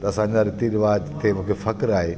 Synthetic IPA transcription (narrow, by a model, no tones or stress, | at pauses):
t̪ɐɐsãːɲd͡ʑaɾɪt̪iɾɪʋaːd͡ʑt̪ʰemʊ̃ːkʰefɐkɾaːɦe